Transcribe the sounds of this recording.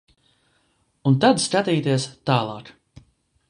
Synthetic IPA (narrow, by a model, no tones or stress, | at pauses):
unt̪ad̪skat̪iːt̪iɛst̪aːlˠɑːk